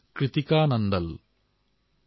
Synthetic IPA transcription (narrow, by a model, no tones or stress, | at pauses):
kɾɪt̪ikaːnɐnd̪ɐl